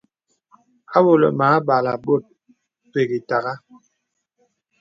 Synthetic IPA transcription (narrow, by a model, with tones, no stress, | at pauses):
a˦wo˨lɔ̰˨maː˨˦ɓa˨la˨ɓo˦˨t̚ | pe˨ɣi˨ta˨ɣa˦